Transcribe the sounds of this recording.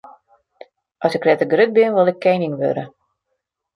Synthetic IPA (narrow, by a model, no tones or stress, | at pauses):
ʔɔsɪkrɛtəɡrøt̚bɪnʋʊlˠɛkʰːɛjnɪŋʋø̰ɾə